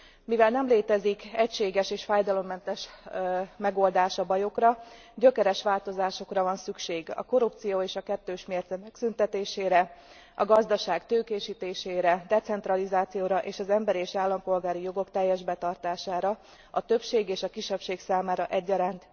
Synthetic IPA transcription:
mivɛlnɛmleːt̪ɛzikɛcʃeːɡɛʃeːʃfaːjd̪ɒlo̞mːɛnt̪ɛʃ | mɛɡo̞ld̪aːʃɒbɒjo̞krɒ | ɟø̞kɛɾɛʃʋaːlt̪o̞zaːʃo̞krɒvɒnsykʃeːɡɒ̰ko̞ɾup̚t̪sijoːeːʃɒkɛt̪ːøːʃmeːrt̪zɛmɛksynt̪ɛt̪eːʃeːɾɛ | ɒɡɒzd̪ɒʃaːɡt̪øːkeːʃiːt̪eːʃeːɾɛd̪ɛt̪sɛnt̪ɾɒlizaːt̪sijoːɾɒʔeːʃɒzɛmbɛɾieːʃaːlːɒmpo̞lɡaːɾijo̞ɡo̞kt̪ɛjːɛʒbɛt̪ɒrt̪aːʃaːɾɒ | ɒt̪øpʃeːɡeːʃɒkiʃːɛpʃeːksaːmaːɾɒʔɛɟːɒɾaːnt̪

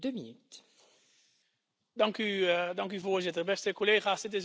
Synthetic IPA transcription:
døminyt | dɑŋkydɑŋkyvoːɹzɪtərbɛstəkoleːχaːsdɪt̬ɪs

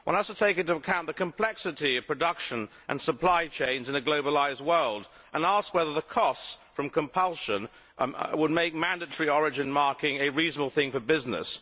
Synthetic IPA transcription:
wʌ̃nəz̥tʰətʰeɪkɪ̃ntɨəkʰãʊ̃nðəkʰɨ̃mpʰl̥ɛksɨɾiʌv̥pʰɹ̥ɨdʌkʃɨ̃nʔɨ̰̃nsəpʰl̥aɪt͡ʃʰẽɪ̃nzɨ̃nɨɡloʊbəlaɪzd̚wɜ˞lˠd | ʔə̃næskwɛðə˞ðəkʰɔstsfɹʌ̃mkʰɨ̃mpʰʌlˠʃə̃n | wəd̚meɪk̚mæ̃ndɨtə˞iɔɹɨd͡ʒɨ̃nmɑɹkɪ̃ŋɨɹiznəbl̩ˠθɪ̃ŋfə˞bɪznɪ̰s

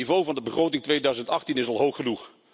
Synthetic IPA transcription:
ivowvɑndəbəχrowtɪŋtʋejdœɥzəntɑχtinɪsɑlˠɦowχənuχ

